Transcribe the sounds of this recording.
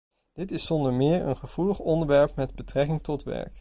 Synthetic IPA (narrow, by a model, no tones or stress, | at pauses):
d̥ɪtɪsɔndəɹmɪːɹə̰nχəv̥uləχɔndəɹʋɛɹpmɛdbətrɛkɪŋtɔtʋɛ̰ɹk